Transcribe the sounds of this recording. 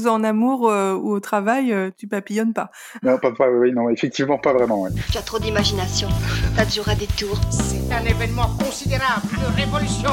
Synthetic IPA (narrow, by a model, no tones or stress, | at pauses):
zɑ̃namuʁuot̪χavajøt̪ypapijɔnpa | nɔ̃papawiwinɔ̃efɛk̚t̪ivmɑ̃pavʁɛmɑ̃wɛt̪yat̪χod̪imaʒinasjɔ̃lauʁad̪et̪uːʁsɛt̪ɛ̃nevɛnmɑ̃kɔ̃sid̪eʁabld̪əʁevɔlysjɔ̃